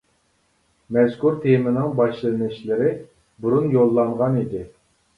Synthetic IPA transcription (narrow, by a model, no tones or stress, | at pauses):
mɛzkʰuɾt̪ʰemɪnɪŋbɑʃlˠɨlɨnɪʃlɪɾɪ | buɾunjolˠːɑɴʁɑnid̪ɪ